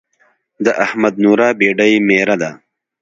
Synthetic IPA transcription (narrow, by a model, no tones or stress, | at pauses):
d̪əʔahmad̪̚nuɾɑːbeɖəjmeɾad̪a